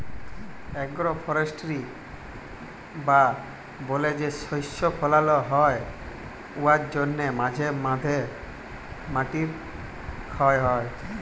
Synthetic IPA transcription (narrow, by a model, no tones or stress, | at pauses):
ɛɡɾɔpʰɔɾesʈɾi | ba | boled͡ʒesɔjsɔpʰɔlalɔɦɔe | uaɾd͡ʒonːemad͡ʒʱemad̪ʱe | maʈiɾ | kʰɔeɦɔe